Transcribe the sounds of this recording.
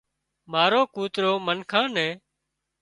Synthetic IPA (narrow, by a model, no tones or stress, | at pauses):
maːɾoːkuːt̪ɾoːmənkʰãːnɛ̃ː